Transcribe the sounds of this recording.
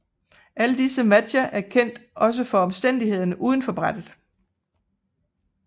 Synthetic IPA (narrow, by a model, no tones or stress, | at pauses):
ʔæləd̥isəmæd̥ɐʔæɐkʰen̰d̥ʔɒ̽s̬əfɒ̽ɒ̽msd̥en̰d̥ihe̝ð̞̰ˠɐnəʔuːðˠn̩fɒ̽b̥ʁad̥ð̩ˠ